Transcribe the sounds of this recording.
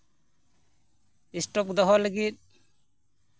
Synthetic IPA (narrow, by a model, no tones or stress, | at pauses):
isʈɔp̚d̪ɔɦɔləɡit̪̚